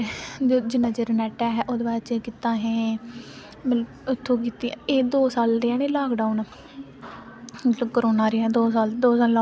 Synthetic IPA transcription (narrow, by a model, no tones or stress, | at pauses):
d͡ʒɪnːãːd͡ʒeːɾənɛːʈaːɦɛːʔoːd̪baːɾt͡ʃekit̪ãːɦɛ̃ː | mələbʊt̪ʰːõːk̬iːt̪ĩeːd̪oːsaːlɾeãːneːlaːkɖaːunː | mət̪ləbkəɾoːnaːɾɪãːd̪oːsaːld̪oːsaːlaː